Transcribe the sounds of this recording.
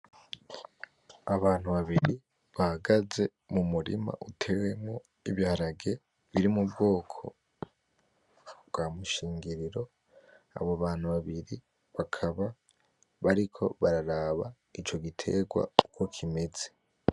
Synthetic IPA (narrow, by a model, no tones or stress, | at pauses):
aβaːn̥uβaβiɾi | βahaɡaze̞ | mumuɾḭma̰ʔutʰe̞we̞mŋo | iβjaɾaɡe̞ | βiɾimub̚ɡo̞ːkʰo̞̰ | bɡ̥aːmuʃiːŋɡiɾiɾo̞ | a̰βoβaːn̥huβaβiɾi | βakʰaβa | βaɾikʰo̞̰βaɾaɾaːβa̰ | it͡ʃo̞ɡitʰe̞̰ɡwa̰uko̞kʰime̞ze̥